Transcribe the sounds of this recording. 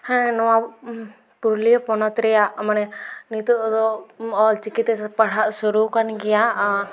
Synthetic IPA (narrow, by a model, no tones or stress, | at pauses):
hɛ̃ɛnɔwa | puɾlipɔnɔt̪ɾɛjaʔmanɛnit̪uʔd̪ɔɔlt͡ʃikit̪ɛpaɽ̤aʔsuɾukanɡɛjaʔ